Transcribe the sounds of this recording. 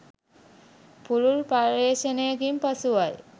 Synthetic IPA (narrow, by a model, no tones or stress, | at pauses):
pululpaːʋeːʃənejəkimpasuʋaj